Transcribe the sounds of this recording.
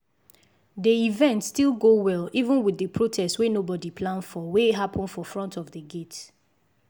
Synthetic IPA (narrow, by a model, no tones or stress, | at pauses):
deivɛ̃ntstilˠɡowɛlivə̃nwidəpʰɹotʰɛstwenobɔdipʰlãndfɔweɦapʰɔ̃nfɔfɹɔ̃ntʰɔvdəɡet